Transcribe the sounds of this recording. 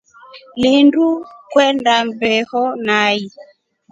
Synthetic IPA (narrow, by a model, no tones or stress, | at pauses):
lindukwɛndambɛhɔnai